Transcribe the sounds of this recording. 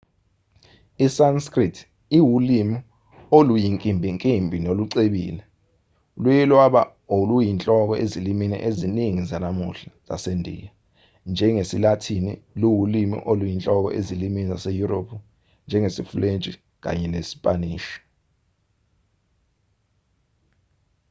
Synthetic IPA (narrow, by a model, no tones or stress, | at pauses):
isanskʼritʰ | iwulimi | olujiŋkʼimbʱiŋkʼimbʱinoluǀeɓḭːlɛ | ulujɛlwaɓa̰ | olujint͡ɬʼɔk̬ɔʔeziliminɛ̰ʔeziniŋizanamṵɬaza̰sendʱḭja | nd͡ʒʱɛŋesilatʰinḭluwulimḭʔolujint͡ɬʼɔk̬ɔ̰ʔezilimizasejuropʰu | nd͡ʒʱɛŋesifulent͡ʃʼi | k̬a̰ɲɛnesi̥pʼaniːʃɔ̥